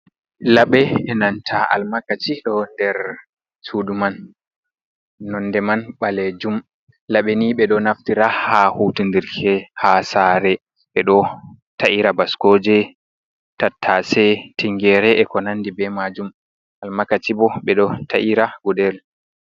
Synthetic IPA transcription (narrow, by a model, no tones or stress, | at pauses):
laɓɛɛnantʰaa̰lmakat͡ʃiɗɔndɛɾ | suduman | ɔnːdɛmanɓaled͡ʒum | laɓeniɓɛɗɔnaftiɾahahutundiɾkʰɛhasaːɾɛ | ɓɛɗɔ | taʔiɾabaskod͡ʒɛ | tatʰːasɛtiŋɡɛɾɛʔɛkɔnanːdibɛmad͡ʒum | almakatibɔɓɛɗɔtʰaʔiɾaɡudɛl